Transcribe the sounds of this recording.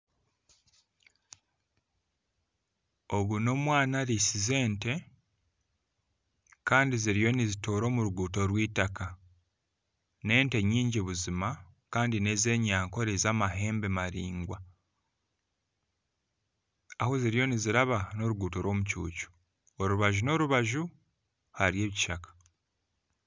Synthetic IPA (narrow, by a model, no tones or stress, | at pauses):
o̞βuno̞mwaːnaɾisize̞ːnte̞ | kaːndiziɾijo̞nizitoːɾo̞ːmuɾuɡuːto̞ɾwiːtaka | ne̞ːnte̞ɲiːɲɟiβuzimakaːndine̞ze̞ːɲaːŋko̞ɾezaːmaɦe̞ːmbe̞maɾiːŋɡwa | ahoziɾijo̞niziɾaβano̞ɾuɡuːto̞ɾwo̞ːmucṵːcu̥ | oɾuβaʒuno̞ɾuβaʒu | haɾie̞ːβiciʃakḁ